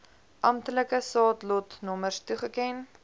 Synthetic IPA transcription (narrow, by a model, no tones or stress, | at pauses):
ʔɐmtələkəsɑːtlɔtnɔmərstuχəkɛn